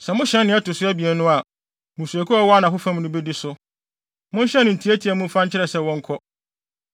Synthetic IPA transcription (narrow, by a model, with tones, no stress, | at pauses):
sɛ˨mʊ̃˦ɕɛ̃˦nːɪ̃˦ɛ˦tʊ˨sʊ˦æ˦bi˨ɛ˨˦nʊ̃˦a˨ | mũ˨su˨æ˨kʰu˦a˦wɔ˦a˦nã˨ɦʊ˦fã˦m˦nʊ̃˦be˦di˦sʊ˦ | mʊ̃˦n˦ɕɛ̃˦nʊ̃˨n̩˨tʰi˨˦æ˦tʰi˨æ˨mũ˦fã˦ɲ˦t͡ɕʰɪ˦ɾɛ˨sɛ˨wɔ̃˦ŋ̩˦kʰɔ˦